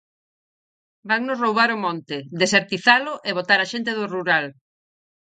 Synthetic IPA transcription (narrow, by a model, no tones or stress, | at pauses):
baŋnʊsrowβaɾʊmõnt̪ɪd̪eseɾt̪iθalʊʔeβot̪aɾaʃent̪̬eðʊruɾal